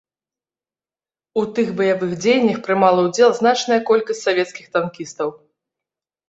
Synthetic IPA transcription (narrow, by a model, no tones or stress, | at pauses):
ut̪ɨxbɐjavɨxd͡zʲejnʲːɐxpɾɨmalˠɐwd͡zʲɛlˠznat͡ʂnɐjɐkɔlʲkɐsʲt͡sʲsavʲɛt̪skʲixt̪ankʲist̪ɐw